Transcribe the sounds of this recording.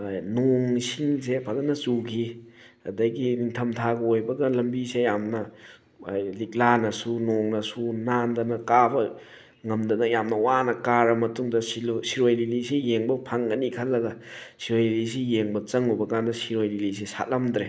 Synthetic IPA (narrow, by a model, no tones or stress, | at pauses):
noŋsiŋsepʰadɐnɐt͡ʃukʰi | ɐdɐɡiniŋtʰɐmtʰaɡɐojbɐɡalɐmbisejamnɐ | jlik̚lanɐsunoŋnɐsunandɐnɐkabɐ | ŋɐmdɐnɐjamnɐwanɐkaɾɐmɐtuŋdɐsilsiɾojlilisejeŋbɐpʰaŋɡɐnikʰɐlːɐɡɐsiɾojlilis̬ijeŋbɐt͡ʃɐŋubɐkandɐsiɾojlilis̬esa̰t̚lamdɾe